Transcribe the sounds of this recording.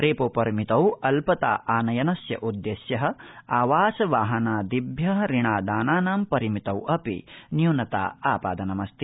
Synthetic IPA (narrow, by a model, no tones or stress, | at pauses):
ɾeːpopɐɾimit̪ɐwɐlpɐt̪a̰ːʔaːnɐjɐnɐsjɐ̰ʔud̪jeːsjɐɦɐ̆aːʋaːsɐʋaːɦɐnaːd̪ibʱjɐɦɾiɳaːd̪aːnaːnaːmpɐɾimit̪ɐwɐpḭnjuːnɐt̪a̰ːaːpaːd̪ɐnɐmɐst̪i